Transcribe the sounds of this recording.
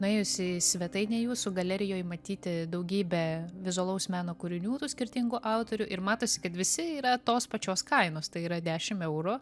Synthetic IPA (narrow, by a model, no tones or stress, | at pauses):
nʊɛːjʊsʲɪsʲʋʲɛt̪ɐɪnʲɛjuːsʊɡɐlʲɛɾʲɪjoːjmɐt̪ʲiːt̪ʲɪd̪ɐʊɡʲiːbʲɛʋʲɪzʊɐlˠɐʊsmʲæːnoːkʊɾʲɪnʲuːt̪uːsʲkʲɪɾʲt̪ʲɪŋɡʊʔɑʊt̪oːɾʲʊʔɪɾmɑːt̪oːsʲɪ̥kɐt̪ʋʲɪsʲɪiːɾɐt̪oːspɐt͡ʃʲoːskɐɪnoːst̪ɐɪiːɾɐd̪ʲæːʃʲɪmɛʊɾʊ